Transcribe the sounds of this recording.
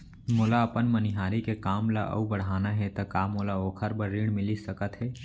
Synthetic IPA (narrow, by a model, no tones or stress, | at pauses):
molaəpənmənɪɦaːɾikekaːmlaʔə̰ubəɽ̤aːnaɦɛt̪ɐkaːmolaoːkʰəɾbəɾiːɽ̃mɪlisəkət̪ɦɛː